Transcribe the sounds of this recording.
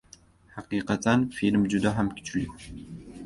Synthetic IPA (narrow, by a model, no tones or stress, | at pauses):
ħaqiːqɑt̪ʰʼanfilmd͡ʒud̪aħamkʰʲɪ̥t͡ʃʰʼli